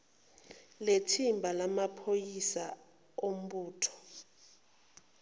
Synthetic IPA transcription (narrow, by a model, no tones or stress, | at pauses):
letʰimbʱalamapʰojisa | om̩ɓuːtʰɔ̥